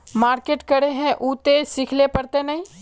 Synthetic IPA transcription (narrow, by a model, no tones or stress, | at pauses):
maːɾkeːʈkəɾeɦɛ̃ʔuːt̪esɪkʰlepəɾt̪enɐɦĩ